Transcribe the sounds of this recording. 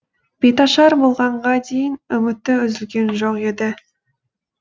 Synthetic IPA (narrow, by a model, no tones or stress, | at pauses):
b̥et̪ɑʃɑɾbolˠʁɑɴʁɑd̪e̞jɪnʏmɪt̪ːɪʏzɪlɡʲe̞nʒoqe̞d̪ɪ